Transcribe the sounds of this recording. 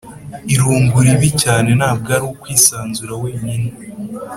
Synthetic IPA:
iɾuːŋɡuɾiβicaːne̞naːb̚ɡaːɾiwokwiːsaːnzuɾaweːɲine

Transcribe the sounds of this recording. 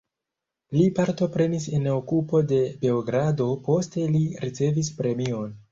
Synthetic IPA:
lipaɾto̞pɾe̞nisenokupo̞de̞be̞oɡɾado̞po̞ste̞liɾit͡se̞vispɾe̞mio̞n

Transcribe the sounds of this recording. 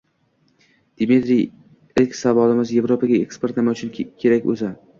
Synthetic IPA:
d̪̥ɪmit̪ɾij | elkʲsavɒlɪmɪzje̞vɾopʰaɡʲaekspe̞ɾt̪nɪmaʊt͡ʃʰɪnkʲʰe̞ɾakʲɵ̰za

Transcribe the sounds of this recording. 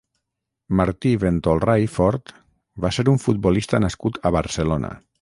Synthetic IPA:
maɾt̪iβent̪olˠrajfɔɾt̪ | βaseɾuɱfut̪̚bɔlist̪ənaskut̪əβəɾsəlonə̰

